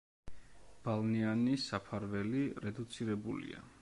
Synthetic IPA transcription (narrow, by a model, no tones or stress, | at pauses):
b̥alˠnianisapʰaɾvɛliɾɛd̪ut̪sʰiɾɛbulḭa̰